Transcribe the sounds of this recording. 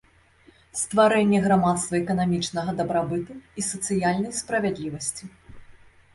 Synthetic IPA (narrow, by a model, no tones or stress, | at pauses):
st̪vaɾɛnʲːɛɣɾamat̪st̪vɐɛkɐnamʲit͡ʂnɐɣɐd̪ɐbɾabɨt̪uisɐt̪sɨjalʲnɐjspɾɐvʲɛd̪lʲivɐsʲt͡sʲi